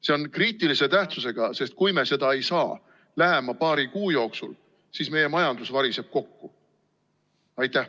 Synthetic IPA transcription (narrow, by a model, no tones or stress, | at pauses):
se̞o̞nkriːt̪ˑilise̞t̪æht̪suse̞ɡ̥ɑse̞st̪̚kujme̞se̞d̪ɑe̞jsɑː | læɦe̞mɑpɑːɾikuːjo̞ːksṵl | sisme̞je̞mɑjɑnd̪̥usvɑɾise̞b̥̚ko̞kːu | ɑjt̪ːˑæh